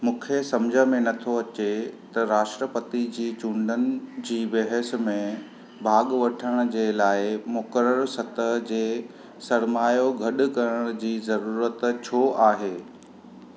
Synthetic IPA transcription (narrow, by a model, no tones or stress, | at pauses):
mũːkʰesɐmd͡ʑʱə̆mẽnɐt̪ʰoɐt͡ɕet̪ɐɾaːʃʈɾəpət̪id͡ʑiːt͡ɕũːɳɖənɪ̆d͡ʑiːbɐɦəsmẽ | bʱaːɠʋɐʈʰəɽ̃ʊ̆d͡ʑeːlaːɪmʊkəɾəɾsɐt̪əɦd͡ʑeː | sɐɾmaːjoɡʱɐɗʊ̆kɐɾəɽ̃d͡ʑiːzɐɾuːɾət̪t͡ɕʰoʔaːɦeː